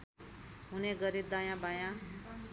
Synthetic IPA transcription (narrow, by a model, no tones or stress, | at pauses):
ɦuneɡʌɾid̪ajãbajã